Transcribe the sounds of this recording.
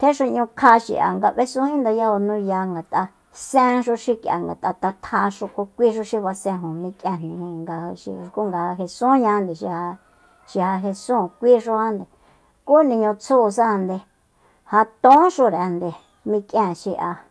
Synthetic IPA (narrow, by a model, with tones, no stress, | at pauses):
t̪ʰe˦ʃo˧ɲũ˧kʰa˧ʃḭ˨ʔa̰˨ŋɡa˧βe˦sũ˦hĩ˦nd̪a˧ja˦˧ho˧nũ˦ja˧ŋɡa˨t̪ʼa˧ | sẽ˦ʃu˧ʃi˧ka̰˨ŋɡa˨t̪ʼa˧t̪a˧t̪ʰa˧ʂo˧ko˧kʷi˦ʃ̬o˧˦ʃi˧βa˧sẽ˧ɦõ˨mĩ˧kʼẽ˧n̥nĩ˨hĩ˧ŋɡa˧hʃḭ˧ku˦ŋɡa˧ha˧ɦe˧sũ˦ɲã˧˦nd̪e˨ʃi˧ha˧ | ʃi˧ha˧ɦe˧sũː˦˨kʷi˦ʂ̬o˦ha˦nd̪e˨ | ku˦nĩ˧ɲõ˧t͡sʰuː˦˨s̬a˦˧nd̪e˧ | ha˧t̪õ˦ʃo˧ɾnd̪e˨ | mĩ˧kʼjẽ˧˨ʃi˧ʔa˧